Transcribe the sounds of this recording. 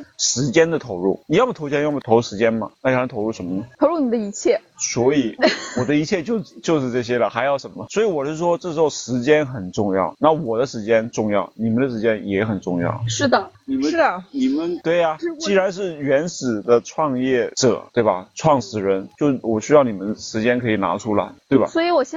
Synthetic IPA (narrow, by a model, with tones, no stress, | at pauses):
ʂɻ̩˧˥t͡ɕjɛ˥nd̪ə˨t̪ʰo˧˥ʊɻṵ˥˩ni˨˩jɑ˥˩ma˨t̪ʰo˧˥ʊt͡ɕʰɛ˥jm˨˩t̪ʰo˧˥ʊ˥˩ʂɻ̩˧t͡ɕjɛ˥nmɐ̰˨na˥˩˨t̪ʰo˧˥ʊɻu˥˩ʂə˧˥mə˧nə˩t̪ʰo˧˥ɻu˥˩ni˨˩d̪ə˦˧i˧˥t͡ɕʰjɛ˥˩swɔ˧˥i˧˥wɔ˨˩d̪ə˦i˧˥t͡ɕʰjɛ˥˧t͡ɕjo˥˧ʊt͡ɕjo˥˧ʊʂɻ̩˥˧ʈ͡ʂɤ˥˩ɕ̬jɛ˥lə˨xa˧˥ɪjɑ˥˩ʊʂə˧˥nmə˧swɔ˧˥i˧˥wɔ˨˩ʂʂwɔ˥ʈ͡ʂɤ˥˩ʂɻ̩˧˥xo˥˩ʊʂɻ̩˧˥t͡ɕjɛ˥nxə˨˩nʈ͡ʂʊ˥˧ŋjɑ˥˩ʊna˥˩wɔ˨˩d̪ə˦ʂɻ̩˧˥t͡ɕjɛ˥nʈ͡ʂʊ˥˧ŋjɑ˥˩ʊni˨˩mə˦nd̪ə˨ʂɻ̩˧˥t͡ɕjɛ˥njɛ˨˧˥xə˨˩nʈ͡ʂʊ˥˧ŋjɑ̰˥˩ʊʂɻ̩˥˩d̪ə˩ni˨˩mə˥ə˩ni˨˩mə˧˦nt̪we˥˩ɪa˩t͡ɕi˥˩ɻa˧˥nʂ̬ɻ̩˥˩ɥɛ˧˥nsɹ̩˨˩d̪ə˦ʈ͡ʂʰwɑ˥˧ŋjɛ˥˩ʈ͡ʂɤ̰˨˩˦t̪we˥˩bɐ˩ʈ͡ʂʰwɑ˥˩ŋʂɹ̩˨˩ɻə˧˥nt͡ɕjo˥˩ʊwɔ˨˩ɕy˥jɑ˥˩ʊni˨˩mə˦˧ʂɻ̩˧˥t͡ɕjɛ˥nkʰɤ˧˥i˨˩na̰˧˥ʈ͡ʂʰu˥la̰˧˥ɪt̪we˥˩ɪba̰˨swɔ˧˥i˧˥wɔ˨˩ɕ